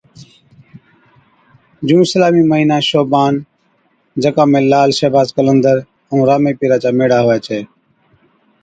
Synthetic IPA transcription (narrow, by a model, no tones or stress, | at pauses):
d͡ʒũːɪslaːmiːməɦiːnaːʃoːbaːn | d͡ʒəkãːmẽːlaːlʃeːbaːzkələnd̪əɾ | əũːɾaːmeːpiːɾaːt͡ʃaːmeːɽaːɦoːaːt͡ʃʰeː